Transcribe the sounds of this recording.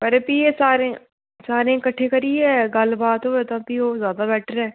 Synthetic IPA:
pəɾepiːeːsaːɾẽː | saːɾẽːɪkəʈʰːeːkəɾiɛːɡəlbaːt̪ɦoːet̪ãːpiːoːzjaːd̪aːbɛːʈʰəɾɛː

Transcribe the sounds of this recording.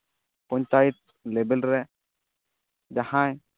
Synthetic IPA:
pɔɲt͡ʃajit̪̚ | lebɛlɾɛ | d͡ʒahãj

